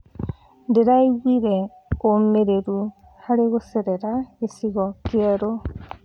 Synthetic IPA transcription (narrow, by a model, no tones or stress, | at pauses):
ndeɾajwiɾe | omeɾeɾu | haɾeɣoseɾeɾaesiɣɔkieɾo